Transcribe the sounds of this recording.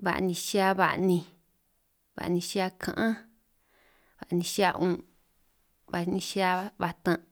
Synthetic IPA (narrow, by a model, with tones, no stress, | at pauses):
βa̰˨ʔnĩ˧ʃi˦a˦βa˨ʔnĩ˧ | βa̰˨ʔnĩ˧ʃi˦a˧kʰã̰˧ʔã˦ | βa˨ʔnĩ˧ʃi˦a˦˧ʔũ˧ | βa˧nĩ˧ʃi˦a˧βa˧t̪ã˧